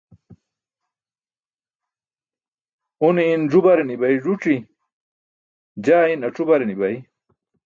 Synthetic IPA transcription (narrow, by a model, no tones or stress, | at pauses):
uniːnʐubɐɾenibɐjʐuʈ͡ʂi | d͡ʑaːinɐʈ͡ʂubɐɾenibɐji